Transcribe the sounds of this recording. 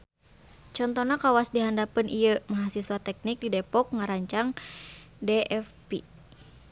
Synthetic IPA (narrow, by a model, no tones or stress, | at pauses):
t͡ʃɔnt̪ɔnakawasdiɦandapɨnʔijəmaɦasiswat̪ɛk̚nik̚didɛpɔk̚ŋaɾaɲt͡ʃaŋ | dɛʔɛfpi